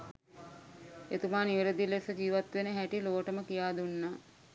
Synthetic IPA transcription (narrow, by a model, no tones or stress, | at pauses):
et̪umaːniʋeɾəd̪ilesəd͡ʒiːʋat̪ʋenəɦæʈiloːʈəməkijaːd̪unːa